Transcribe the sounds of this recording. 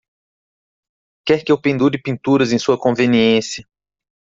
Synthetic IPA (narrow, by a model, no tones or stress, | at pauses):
kɛɾkɪewpẽnd̪uɾɪpĩnt̪uɾɐzẽj̃suɐkõveniẽsjɐ